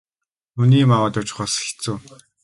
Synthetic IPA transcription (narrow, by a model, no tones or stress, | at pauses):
nuniːmawaːt̪ʊt͡ɕ̆χɔːsxi̥t͡suː